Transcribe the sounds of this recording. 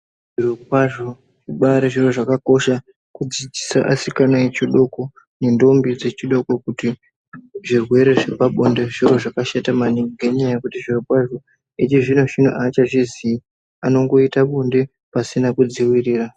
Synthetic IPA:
ʐ̥irokwaʐo | ʐiɓaɾeʐiro̞ʐakako̞ʃa | kud͡zid͡zi̥saʔasikanaet͡ʃiɗo̞ko̞ | ne̞ndo̞mbid͡ze̞t͡ʃiɗo̞kokuti | ʐirwe̞ɾe̞ʐe̞paɓonde̞ʐiro̞ʐakaʃatamaniŋɡɡeɲajakutiʐirokwaʐo̞ | et͡ʃiʐinoʒin̤o̰ʔaːt͡ʃaʐiziː | ano̞ŋɡo̞itaɓonde̞ | pasinakud͡ziwiriːra

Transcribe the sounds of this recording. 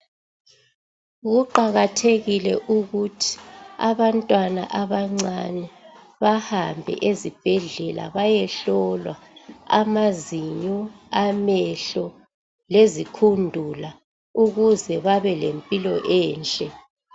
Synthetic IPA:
ɣuǃaɣatʰeɣilɛʔuɣutʰi̥a̰βantʼwana̰ʔaβaŋ͡ǀanɛ | βahambʱɛ̰ʔezib̥ʱɛɮɛla̰βajɛɬɔlwaa̰maziɲɔamɛɬɔ | lezikʰundʱula | uɣuzɛβaβɛlempʼilɔʔɛːnt͡ɬʼɛ

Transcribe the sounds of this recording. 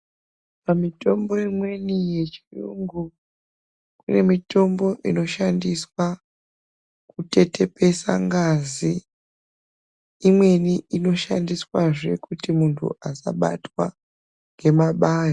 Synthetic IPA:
pamito̞mbo̞imwe̞nije̞t͡ʃirṵŋɡu | kune̞mito̞mbo̞ʔino̞ʃandiswa | kute̞te̞pe̞sa̰ŋɡazi | imwe̞niʔino̞ʃa̰ndiswaʐe̞kutimuntʰṵasa̰ɓa̰twa | ŋɡe̞maɓaːja

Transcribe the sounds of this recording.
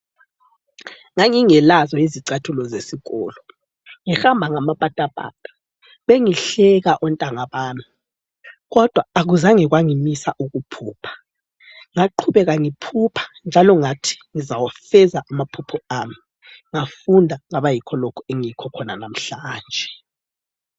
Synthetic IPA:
ŋaŋiŋɛlazɔiziǀatʰulɔzesiɣɔ̰ːlɔ | ŋixambʱaŋamapʼatʼapʼa̰tʼḁ | βeŋiɬɛɣaʔɔntʼaŋaβaːnu | ɣɔd̥ʱwaːɣuzaŋiɣwaŋimisaʔuɣupʰuːpʰḁ | ŋaǃʰuβɛɣaŋipʰupʰḁnd͡ʒʱalɔŋatʰi̥ŋizawafɛzaʔamapʰupʰɔami | ŋafundʱaŋaβajikʰɔlokʰɔeŋiikʰɔkʰɔnanam̩ɬaːnd͡ʒʱɛ

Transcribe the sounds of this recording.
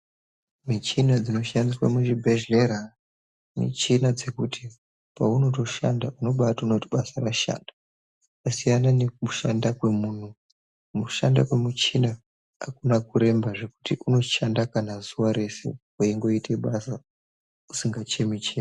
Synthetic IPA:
mit͡ʃinad͡zino̞ʃandiswa̰muʒibʱe̞ʒe̞ɾa | mḭt͡ʃinad͡ze̞kutʰi | pauno̞to̞ʃandauno̞ɓatauno̞tiɓasaraʃa̰ːnda | kasijananemuʃandakwe̞muːn̤u | muʃanda̰kwe̞mut͡ʃina | a̰kunakuɾe̞mbaʐe̞ku̥tiʔuno̞ʃandakanazuʋaɾe̞se̞̰ | uiŋɡo̞itʰe̞ɓasa | usiŋɡat͡ʃe̞mit͡ʃe

